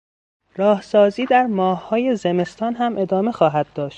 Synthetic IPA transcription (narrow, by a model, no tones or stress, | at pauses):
ɾɒːhsɒːziːd̪æɾmɒːhːɒːje̞zeme̞st̪ʰɒːnɦæmʔe̞d̪ɒːme̞xɒːɦæd̪̥̚ːɒːʃt̪